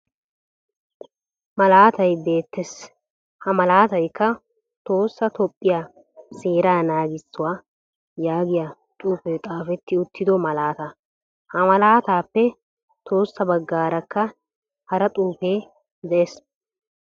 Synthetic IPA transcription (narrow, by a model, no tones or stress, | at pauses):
mɐlaːt̪ɐjbe̞ːt̪ʰːes | hɐmɐlaːt̪ɐjkːɐ | t̪o̞ːsːɐt̪ɔpʼːɪjaː | seːɾaːnaːɡɪsːʊwaː | jaːɡɪja | t̪ʼuːfeːt̪ʼaːfɛt̪ːɪʊt̪ʰːɪd̪ɔmɐlaːt̪a | hɐmɐlaːt̪aːpːɛ | t̪ʰo̞ːsːɐbɐɡːaːɾɐkːɐ | hɐɾɐt̪ʼuːfeː | d̪ɛʔes